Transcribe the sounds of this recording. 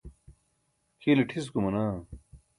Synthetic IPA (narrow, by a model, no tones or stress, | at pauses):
kileʈʰiskumɐnaː